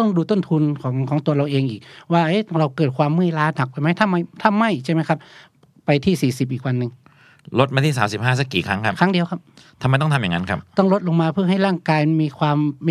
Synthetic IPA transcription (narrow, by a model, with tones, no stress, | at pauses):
t̪ɔ˥˩ŋduː˧t̪o˥˩nt̪ʰu˧nkʰɔː˩˦ŋkʰɔː˩˦ŋt̪u˧ɐɾa˧wʔeː˧ŋʔiː˨˩k̚waː˧˩ʔeː˦˥˨ɾa˧wkɤː˨˩t̪̚kʰwaː˧mːɯː˥˩jlaː˦˥t̪̚ha˨˩k̚pa˧jma˦˥˩jt̪ʰa˧˥˨mːa˧˩jt̪ʰa˧˨mːa˧˥˩jt͡ɕʰa˧˥˩ma˦˥jkʰa˧˥p̚ | pa˧jt̪ʰiː˥˩siː˨˩si˨˩p̚ʔiː˨˩k̚wa˧nːɯ˨˧ŋ | lo˦˥t̪̚maː˧t̪ʰiː˥˩saː˩˦msi˨˩p̚ɦaː˥˩s̬a˦˧˥kːiː˨˩kʰa˦˥ŋkʰa˦˥kʰa˦˥ŋdi˧əwkʰa˦˥p̚t̪ʰa˧ma˧jt̪ɔ˥˩t̪ʰja˨ŋa˦˥nkʰa˦˥p̚t̪ɔ˥˩ŋlo˦˥t̪̚lo˧ŋmaː˧pʰɯ˥˩˨ɦa˥˩jɾaː˥˩ŋkaː˧jmiː˧kʰwaː˧m